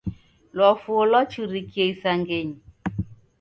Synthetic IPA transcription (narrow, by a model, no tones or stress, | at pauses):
lɔfuolɔt͡ʃuɾikjeisaŋɡeɲ